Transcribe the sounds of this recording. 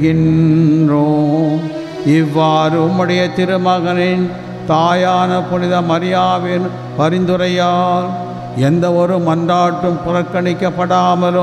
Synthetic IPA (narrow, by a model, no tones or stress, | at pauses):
ɣɪndroː | ɪʋːaːɾɯʊmːɯɽɐjɐt̪ɪɾɯmɐɣɐnɪn | t̪aːjaːnɐpʊnɪðɐmɐɾɪjaːʋɪn | pɐɾɪnd̪ɯɾɐjaː | ɛnd̪ɐɔɾɯmɐndaːʈːɯmpʊɾɐkːɐɳɪkːɐpːɐɽaːmɐlɯ